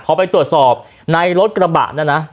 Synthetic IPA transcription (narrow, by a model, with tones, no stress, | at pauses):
pʰɔː˨˦pa˧jt̪ɾu˨˩ət̪̚sɔː˨˩p̚ | na˧jɾo˦˥t̪̚kɾa˧ba̰˨˩ʔnaː˦˥˩na˦˥